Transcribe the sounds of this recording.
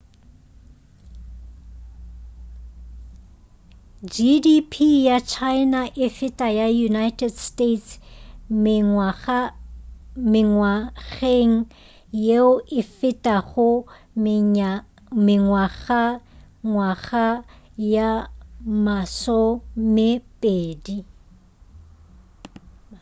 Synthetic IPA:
d͡ʒidipʰijat͡ʃʰaɪnaʔɪfɪtʼajajunaɪtʰʼɛdstʼetsm | mɪŋwaɣeŋ̩ | jeʊʔɪfɪtʼaɣʊ | mɪŋwaɣa | ŋwaɣa | jamasɔmɪpʼeːdi

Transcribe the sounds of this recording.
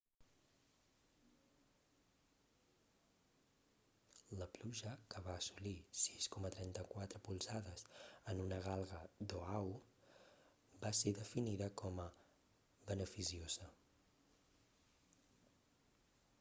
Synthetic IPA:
ləpluʒəkəβaəsulisiskɔmət̪ɾɛnt̪əkwat̪ɾəpulˠsaðəzənunəɣ̞alˠɣəd̪oaw | baseðəfiniðəkɔmə | βənəfisiozə

